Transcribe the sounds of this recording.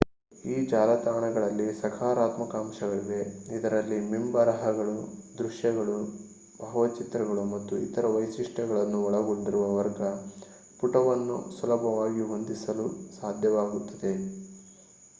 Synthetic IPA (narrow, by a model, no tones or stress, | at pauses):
iːd͡ʒaːlɐt̪aːɳɐɡɐɭɐlːisɐkʰaːɾaːt̪mɐkaːmʃɐɡɐɭiɡeid̪ɐɾɐlːimimbɐɾɐɦɐɡɐɭud̪ɾuʂjɐɡɐɭu | bʱɐɦɐʋɐt͡ʃit̪ɾɐɡɐɭumɐt̪ːuḭt̪ɐɾɐʋɐjsiʂʈɐɡɐɭɐnːuɔɭɐɡoɳɖiɾuʋɐʋɐɾɡɐ | puʈɐʋɐnːṵsulɐbʱɐʋaːɡiɦo̞nd̪isɐlusaːd̪ʱjɐʋaːɡut̪ːɐd̪e̞